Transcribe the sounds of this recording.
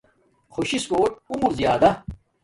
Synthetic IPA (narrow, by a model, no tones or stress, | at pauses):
xʰoɕiskoːʈ̚umuɾzijaːd̪ɐ